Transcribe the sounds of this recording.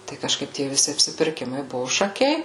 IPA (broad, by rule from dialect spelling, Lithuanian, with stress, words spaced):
tɐɪ kɐʃˈkɐɪp tʲiɛ ʋʲɪˈsʲɪ ɐpʲsʲɪpʲɪrʲˈkʲɪmɐɪ ˈbʊʋʊ ʃɐˈkʲɛɪ